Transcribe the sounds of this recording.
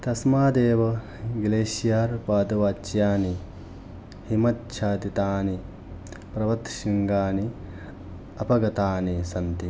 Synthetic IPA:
t̪ɐsmaːd̪eːʋɐ | ɡleːʃijaːɾpaːd̪ɐʋaːt͡ʃjaːni | himɐtːʃʰaːd̪it̪aːni | pɾɐʋɐt̪ʃiŋɡaːni | ɐpɐɡɐt̪aːnisɐnt̪i

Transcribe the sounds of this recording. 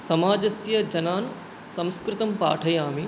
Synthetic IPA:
sɐmaːd͡ʒɐsjɐd͡ʒɐnaːn | sɐ̃w̃skɾɪt̪ɐmpa̰ːʈʰɐjaːmi

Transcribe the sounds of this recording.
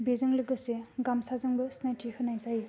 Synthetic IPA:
bizɯŋlɯɡɯseɡamsazɯŋbɯsnajtihʰɯnajzaj

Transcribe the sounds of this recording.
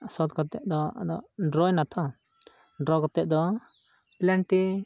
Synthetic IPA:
sɔt̪kɔɾt̪ɛʔd̪ɔa̰d̪ɔɖɾɔjnat̪ʰɔ | ɖɾɔkɔt̪ɛʔ̚d̪ɔ | plaɳʈi

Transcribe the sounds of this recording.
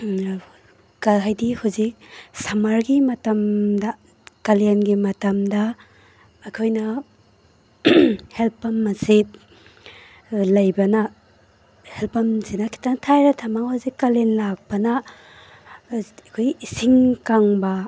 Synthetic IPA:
kaɦajdihuzik̚sɐmaɾɡimɐtɐmdɐ | kɐlenɡimɐtɐmdɐː | kʰojnɐ | helpːɐmːɐsi | lɐjbɐnɐ | helpɐmzinakʰi̥tʰaŋtʰajɾatʰamaŋhuzikːalenlak̚pɐnɐ | kʰojisiŋkaŋbɐ

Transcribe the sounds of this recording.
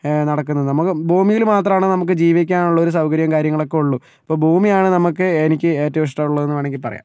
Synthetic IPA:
nɐɽɐkːunːɐðɨnɐmukːɨbʱuːmijilmaːt̪rɐmaːɳɨnɐmuk̬ːɨd͡ʑiːʋikʲːaːnuɭːɐo̞ɾus̬ɐwkɐɾjɐmkaːɾjɐŋːɐɭo̞kːe̞uɭːu | ɐpːoːbʱuːmijaːɳɨnɐmukːɨenik̬ʲːɨe̞ːtːɐʋiʂ̬ʈɐɾuɭːɐðenːʋeːɳeŋɡipɐrɐja̰

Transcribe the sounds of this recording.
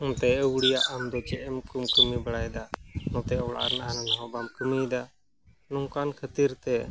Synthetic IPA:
ʊ̃nt̪ɛəwɽijaʔəmd̪ɔt͡ʃɛʔɛmkumkəmibəɽajd̪anɔ̃t̪ɛɔwɽa̰ɾnaʔananaɦɔ̃bamkəmid̪a | nɔŋkankʰət̪iɾt̪ɛ

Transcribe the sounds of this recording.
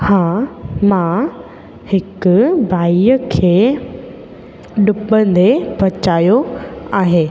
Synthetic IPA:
hãːmã | hɪkʊbʱaːiəkʰeː | ɗʊpə̃nd̪ebɐt͡ʃaːjoaːɦeː

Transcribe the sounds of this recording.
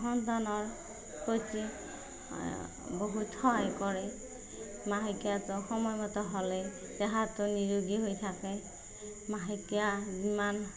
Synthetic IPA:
ɦɔntanɔɹ | kʰojtḭ | boɦutʰɔjkɔɹɛ | maɦikjatʊxɔmɔjmɔtɔɦɔlɛ | tɛɦatʊniɹoɡiɦojtʰakɛ | maɦikiaziman

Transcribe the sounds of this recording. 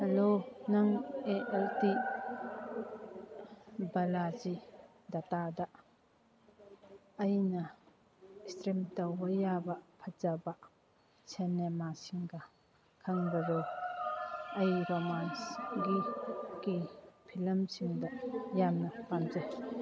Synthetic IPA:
hɐlonɐŋeʔɛlti | bɐlazi | d̪atadɐ | ɐjnɐ | istɾemtɐwɐjabɐpʰɐzabɐ | senemasiŋɡɐ | kʰɐŋbɐɾo | ɐjɾomansɡiɡipʰilɐmsiŋdɐjamnɐpanzaj

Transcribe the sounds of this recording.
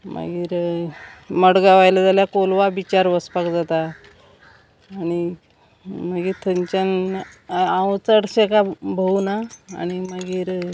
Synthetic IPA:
ma̰ɡiːɾ | məɽɡaʋajlad͡z̪aljakolʋabit͡ɕaɾʋəspakd͡zat̪a | ɽ̃i | maɡiːt̪ʰəɲt͡ɕan | ãwt͡səɽɕekabʱəuna̰ːɽ̃imaɡiːɾ

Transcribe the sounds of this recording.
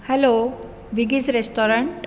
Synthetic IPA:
hɛlo | ʋiɡid͡zɾesʈɔɾəɳʈ

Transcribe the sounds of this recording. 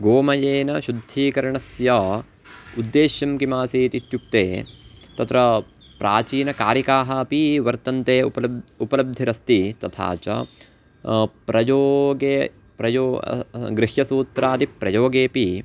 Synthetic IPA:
ɡoːmɐjeːnɐʃud̪ʱiːkɐɾɐɳɐsjɐ | ud̪ːeːʃjɐmkimaːsiːt̪it̪juk̚t̪eːt̪ɐt̪ɾɐ | pɾʔaːt͡ʃiːnɐkaːɾikaːɦɐːpiʋɐɾt̪ɐnt̪eːpɐupɐlɐb̚d̪ʱːiɾɐst̪it̪ɐt̪ʰa̰ːt͡ʃɐ̰ | pɾɐjoːɡeː | pɾɐjoːɡɾɪɦjɐsuːt̪ɾaːd̪ipɾɐjoːɡeːpi

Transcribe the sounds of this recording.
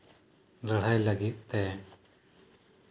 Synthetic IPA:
ləɽ̤ajləɡit̪̚ˀt̪ɛ

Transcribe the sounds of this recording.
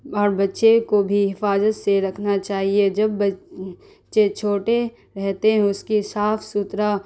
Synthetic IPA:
ɔːɾbɐtːʃekobʱiɦɪfaːzət̪seɾɐkʰnat͡ʃaːɦied͡ʒɐbːɐ | ʃet͡ʃʰoːʈe | ɾɛɦt̪eɦɛ̃ʊskisaːfsut̪ɾa

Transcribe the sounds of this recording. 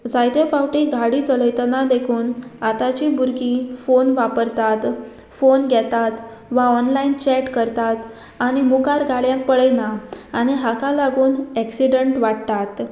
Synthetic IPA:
d͡zajt̪efawʈiɡʱaɽit͡sələjt̪nad̪ekʰuːnat̪at͡ɕibʱuɾkifonʋapəɾt̪at̪ | fonɡʱɛt̪at̪ | ʋaɔnlaint͡ɕɛʈkəɾt̪at̪ | aɽ̃imukaɾɡʱaɽjãk̚pəɭəjnaːñiɦakalaɡuːnɛksiɖəɳʈʋaɽt̪at̪

